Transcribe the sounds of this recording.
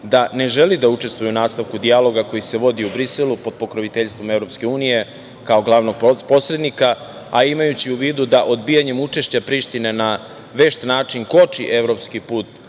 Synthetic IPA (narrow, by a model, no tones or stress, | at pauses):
d̪ane̞ʒelid̪aut͡ʂe̞st̪ʋujuunaːst̪aʋkud̪ialˠo̞ɡako̞jise̞ʋo̞d̪iubɾiselˠupo̞d̪̚po̞kɾoʋit̪eʎst̪vʋo̞mevɾo̞pske̞uːnije̞ | kao̞ɡlˠaʋno̞ɡ̚po̞sɾed̪nika | aimajut͡ɕiuʋiːd̪ud̪aʔo̞d̪bijaɲe̞mut͡ʂe̞ʃt͡ɕapɾiːʃt̪ine̞na | ʋe̞ʃt̪naːt͡ʂiŋko̞t͡ʂiʔe̞ʋɾo̞pskipuːt̪